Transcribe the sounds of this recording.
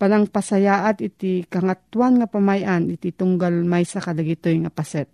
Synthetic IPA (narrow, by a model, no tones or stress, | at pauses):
palaŋpasajaːʔat̪ɪt̪ikɐŋat̪ːwanŋapamajʔanɪt̪it̪ʊŋɡalmajsakɐlaɡɪt̪ojŋapasɛt̪̚